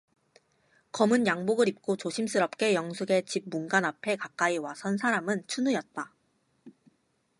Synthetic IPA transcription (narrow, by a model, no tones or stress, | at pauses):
kʌmɯnjaŋboɡɯɾip̚k͈ot͡ɕoɕʰims͈ʰɯɾʌp̚k͈e̞jʌŋsʰuɡe̞t͡ɕib̚munɡanapʰe̞kak͈aiwasʰʌnsʰaɾamɯnt͡ɕʰunujʌt̚t͈a